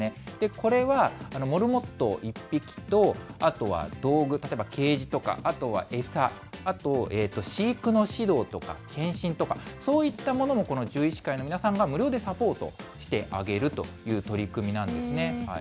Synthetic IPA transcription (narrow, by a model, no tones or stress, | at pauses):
ed̪̥e̞ko̞ɾe̞βaano̞mo̞ɾɯ̟mo̞t̪ːo̞̰ʔipʲːikʲi̥t̪o̞at̪o̞βa̰d̪̥o̞ːɡɯ̟t̪at̪oebake̞ːʑit̪o̞ka̰at̪o̞βa̰ʔe̞saː | t̪o̞ʔe̞ːt̪ːo̞ɕiːkɯ̟no̞ɕid̪o̞ːt̪o̞ka̰kʰẽ̞ɰ̃ɕĩnt̪o̞kaso̞ːit̪ːamo̞no̞mo̞ko̞no̞ʑɨːit͡ɕi̥kaino̞mʲinasãŋɡamɯ̟ɾʲjo̞ːd̪e̞sapo̞ːt̪o̞̰ɕi̥t̪e̞ʔaɡe̞ɾɯ̟t̪o̞̰jɯ̟ːt̪o̞ɾʲikɯ̟mʲinãnd̪e̞sɨne̞ha